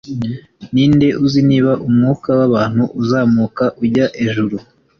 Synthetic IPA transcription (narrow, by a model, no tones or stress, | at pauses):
niːnde̞ʔuziniːβaʔumŋuːkawaβaːn̥huʔuzaːmuːkaʔuɟaʔeʒuɾu